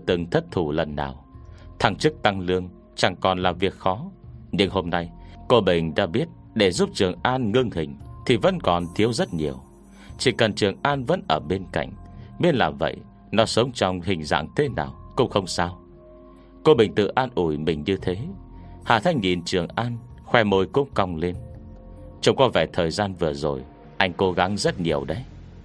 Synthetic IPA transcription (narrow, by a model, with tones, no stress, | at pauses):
t̪ɨ˨˩ŋt̪ʰə˦˥t̚t̪ʰu˧˩lə̰˨˩nːa̰ː˨˩wt̪ʰa˧˩ŋt͡ɕɨ˦˥k̚t̪a˧ŋlɨ˧əŋ | t͡ɕa˨˩ŋkɔ˨˩nlaː˨˩vi˨˩ək̚xɔ˨˦ɲɨ˧ŋho˧mna˧jko˧ɓï˨˩ŋ̟ɗa̰ː˧ɓi˦˥ət̚ | ɗe˧˩zu˦˥p̚t͡ɕɨ˨˩əŋʔaː˧nŋɨ˧ŋhï˨˩ŋ̟t̪ʰi˨˩və̰˧˥nkɔ˨˩nt̪ʰi˨˦əwzə˦˥t̚ɲi˨˩əw | t͡ɕi˧˩kə˨˩nt͡ɕɨ˨˩əŋʔaː˧nvə̰˧˥nʔəː˧˩ɓe˧nka̰˧˨jŋ̟ɓi˦˥ət̚laː˨˩və̰˧˨j | nɔ˨˦sə˨˦wŋ͡mt͡ɕɔ˧wŋ͡mhï˨˩ŋ̟za̰ː˧˨ŋt̪ʰe˨˦na̰ː˨˩wkʊ̰˧˥ŋ͡mxə˧wŋ͡msaː˧w | ko˧ɓï˨˩ŋ̟t̪ɨ̰˧˨ʔaː˧nʔu˧˩jmï˨˩ŋ̟ɲɨ˧t̪ʰe˨˦ha̰ː˧˩t̪ʰa˧jŋ̟ɲḭ˨˩nt͡ɕɨ˨˩əŋʔaː˧nxwɛ˧mo˧jkʊ̰˧˥ŋ͡mka˧wŋ͡mle˧n | t͡ɕə˧wŋ͡mkɔ˨˧˦vɛː˧˩t̪ʰəː˨˩jzaː˧nvɨ˨˩əzo˨˩j | ʔa˧jŋ̟ko˨˦ɣa˨˦ŋzə˦˥t̚ɲi˨˩əwɗə˨˦j